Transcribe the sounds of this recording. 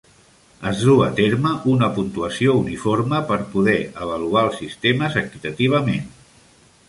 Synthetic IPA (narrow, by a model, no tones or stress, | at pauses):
əzðuə̰t̪eɾməʔunəpunt̪uəsiounifoɾməpəɾpuðɛəβ̞əluaəlˠsist̪eməzəkit̪ət̪iβ̞əmen